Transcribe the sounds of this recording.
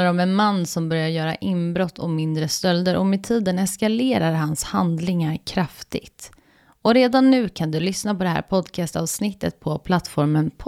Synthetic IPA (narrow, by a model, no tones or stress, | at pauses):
aɾɔmɛnmanːsɔmbœɾjaɾjœːɾa̰ʔɪmbɾɔt̪ʰːɔmɪnd̪ɾəst̪œld̪əɾʔɔmɛt̪ʰiːd̪ənɛskaleːɾaɾɦanshand̪lɪŋaɾkʰɾaft̪ɪ̰ɡt̪ | ɔɾeːd̪anːʉ̟ːkʰand̪ɵlʏsnapɔd̪ɛɦæ̰ːɾpʰɔd̪kʰɑst̪ɑ̰ːvsnɪt̪ːə̰t̪̚pʰɔpʰlat̪ːfɔɾmənpʰ